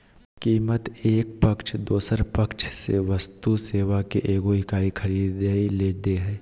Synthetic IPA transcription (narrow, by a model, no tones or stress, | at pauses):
kiːmət̪eːk̚pəkt͡ʃʰd̪oːsəɾpəkt͡ʃʰsḛʋəst̪useːʋakiʔeːɡoikaːikʰɐɾiːd̪əileːd̪eɦɛː